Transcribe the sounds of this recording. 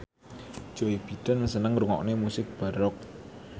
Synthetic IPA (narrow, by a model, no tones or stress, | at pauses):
ʒ̥oib̥i̤d̥a̤nməsənəŋɾuŋɔ̰knemusɪk̚b̥a̤ɾɔk̚